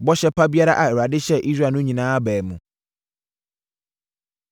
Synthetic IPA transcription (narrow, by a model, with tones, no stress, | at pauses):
bɔ˦ɕɛ˦pʰa˦bi˦a˦ɾa˦ʔa˨ɛ˨ɾa˨dɪ˦ɕɛ˦ʔi˦sɾa˦˨nʊ̃˦ɲĩ˨nãː˦a˦bɛː˨mṵ̃˨